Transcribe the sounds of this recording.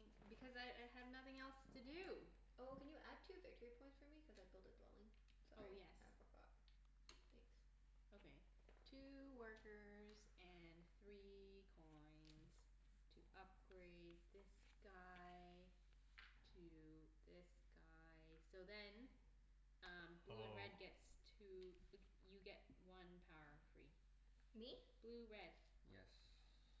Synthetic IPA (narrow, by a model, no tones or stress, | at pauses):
ŋ | bɨkʰʌzaɪʔaɪɨvnʌθɪ̃ŋɛlˠstʰɨdʉ | oʊkɨ̃njɨʔæd̚tʰʉvɪtʰiɹipʰɔ̃ɪ̃ntsfə˞mikʰʌzaɪbɪlˠdɨt̚d̥wɛ̰lˠɪ̰̃ŋ | soʊjɛs | əpɑ̰ | θæ̃ŋks | oʊkʰeɪ | tʰʉwɜ˞kə˞z | ɨ̃nθɹikʰɔ̃ɪ̃nz̥ | tʰɨʔʌp̚ɡ̥ɹeɪd̪̚ðɪs | ɡ̥aɪ | tʰɨ | ðɪsɡ̥a | ɪsoʊðɨ̃n | ʌ̃mb̥luɨ̃nɹɛd̚ɡɛtstʰʉk | jɨɡɛt̚wʌ̃npʰaʊə̰˞fɹḭ | mib̥lʉɹɛd̥ | jɛ̰s